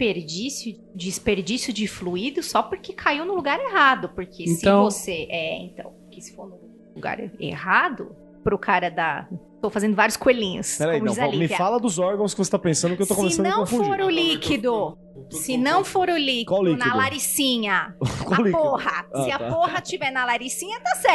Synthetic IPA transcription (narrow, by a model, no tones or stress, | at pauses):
peɾd͡ʒisjʊ | d͡ʒɪspeɾd͡ʒisjʊd͡ʒɪfluid̪ʊsɔpʊɾkekʰaiwnʊluɡaɾeɦad̪ʊpoɾkʰẽsɪɐ̃w̃voseʔɛḛ̃t̪ɐ̰̃w̃pʊɾkɪsɪ̥foɾnʊ | ʊɡa̰ɾḛhad̪ʊ̰ | pɾʊkʰaɾɐd̪ɐ | t̪owfazẽnd̪ʊvaɾjʊskoelĩɲʊ̰spɛɾɐĩmʊɐ̃izãlimɪffalɐd̪ʊzɔɾɡɐ̃w̃skɪvose̥t̪apẽsɐ̃nd̪ʊkewst̪okõmesɐ̃d̪ɐ̃wkfũfoɾʊlikid̪ʊ | sɪnɐ̃w̃foɾʊlikkwawliknɐlaɾisĩɲɐkwawlikpohɐssɪɐpoɦɐt͡ʃivɛɾnɐlaɾisĩɲɐt̪asɛɾ